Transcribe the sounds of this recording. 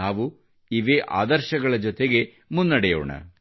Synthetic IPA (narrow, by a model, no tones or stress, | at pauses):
aːʋu | iʋeːʔa̰ːd̪ɐɾʃɐɡɐɭɐd͡ʒɔt̪eɡe̞ | munːɐɽɛjo̰ːɳɐ̰